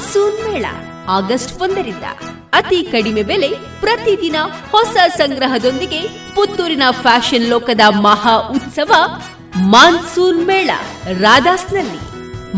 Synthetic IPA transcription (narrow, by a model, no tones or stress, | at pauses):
suːnmɛːɭɐ̰ | aːɡɐsʈʋond̪ɐɾind̪ɐ̰ | ɐt̪ikɐɽimebeːle̞ | pɾɐt̪id̪inɐhɔsɐsɐŋɡɾɐɦɐd̪o̞nd̪iɡe̞ | put̪ːuːɾinɐpʰaːʃɐnlɔːkɐd̪ɐmɐɦaːʔut̪sɐʋɐ | maːnsuːnmɛːɭɐ̰ɾaːd̪aːsnɐlːḭ